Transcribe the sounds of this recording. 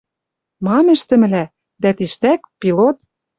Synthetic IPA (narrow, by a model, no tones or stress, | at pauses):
mɑmɘ̆ʃt̪ɘ̆mɘ̆læ | d̪æt̪iʃt̪ækpilot̪̚